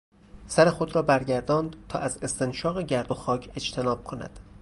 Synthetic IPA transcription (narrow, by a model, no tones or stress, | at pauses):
sæɾe̞xo̞d̪ɾɒːbæɾɟæɾd̪ɒːnd̪t̪ʰɒ̰ːʔæze̞st̪e̞nʃɒːɣeɟæɾd̪o̞xɒːcʰe̞d͡ʒt̪ʰe̞nɒːb̥̚kʰonæ̰d̪̥